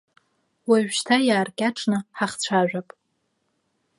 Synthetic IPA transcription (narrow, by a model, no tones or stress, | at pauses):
waʒᶣʃtʰajaːrkʲʼaʈ͡ʂʼnɨħaχt͡sʷʰaʒᶣʷapʼ